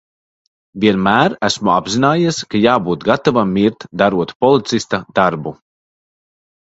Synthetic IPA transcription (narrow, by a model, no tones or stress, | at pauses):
vʲiɛnmæːɾæsmua̰bzinaːjiskajaːbuːt̪ɡat̪avamiɾt̪d̪aɾuɔt̪pɔlˠit̪sist̪ad̪̥aɾbu